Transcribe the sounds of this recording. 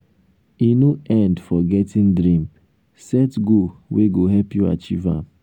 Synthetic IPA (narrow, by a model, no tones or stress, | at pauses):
inoʔɛ̃ndfɔɡɛtĩndɾĩm | sɛtɡoweɡoɦɛlpjua̰t͡ʃivã̰m